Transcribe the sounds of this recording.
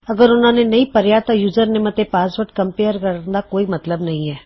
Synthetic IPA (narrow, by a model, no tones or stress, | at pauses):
əɡəɾʊn̤ãːnenɐĩpəɾjat̪ajuːzəɾnɪmət̪epaːsʋəʈkəmpeːəɾkəɾənd̪aːkoːimɐt̪ləbnɐɦĩɦɛː